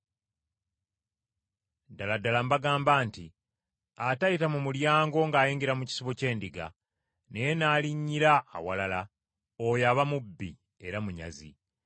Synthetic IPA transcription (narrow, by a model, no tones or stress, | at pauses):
daladalambaɡaːmbaːnti | atajitamumuljaːŋɡo̞ŋɡaːjiːŋɡiɾamuci̥siβo̞ce̞ːndiɡa̰ | ne̞jenaːliɲːiɾa̰ːwalala | ojaβamubːi | e̞ɾamuɲa̰zḭ